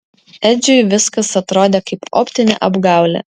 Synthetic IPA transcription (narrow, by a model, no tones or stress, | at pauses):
ɛd͡ʒʲʊjʋʲɪskɐsɐt̪ɾoːd̪ʲeːkɐɪpo̰ːpʲt̪ʲɪnʲɛʔɐbɡɑˑʊlʲɛ̰